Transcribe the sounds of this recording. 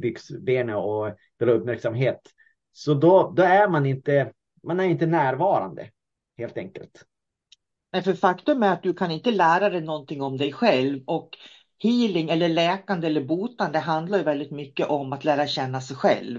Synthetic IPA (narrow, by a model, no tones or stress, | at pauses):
bʏɡsbeːnəɔ | d̪̥ɛlɵpmæɾksamɦeːt̪ | sɔd̪ɔd̪ɔæɾmanɪnt̪ə | manæɾɪnt̪ənæːɾvɑːɾa̰nd̪ə̰ | heːlt̪ɛŋkə̰lt̪ | nɛjfœɾfakt̪ɵmæɾat̪̚d̪ɵkʰanɪnt̪əlæːɾad̪ɛjnɔnt̪ʰɪŋːɔmd̪ɛjɧɛlvɔk | hiːlɪŋɛlːəɭɛːkand̪əɛlːəɾbuːt̪and̪əɦand̪laɾjɵvɛld̪ɪt̪mʏkːəʔɔmat̪læːɾaɕɛnːasɛjɧɛ̰lv